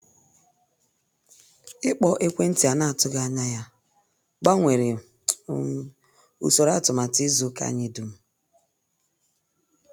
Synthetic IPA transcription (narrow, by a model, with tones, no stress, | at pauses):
ɪ˦k͡pɔ˨ʔe˦kʷe˦n̩˦ti˨a˨na˦a˨tʊ˦ɡa˦a˦ɲa˦ja˦ | ɡ͡ba˦ŋʷe˨ɾe˨˦ | ṵ˨so˨ɾa˦a˦˨tʊ˨ma˨ti˦zu˦ka̰˦ɲi˦du˨m̩˦